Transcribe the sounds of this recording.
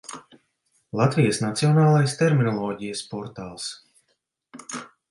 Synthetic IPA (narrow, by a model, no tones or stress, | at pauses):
lˠat̪vijəsnat̪siɔnaːlˠajst̪ɛɾminɔlˠɔːɟijəspɔɾt̪aːlˠs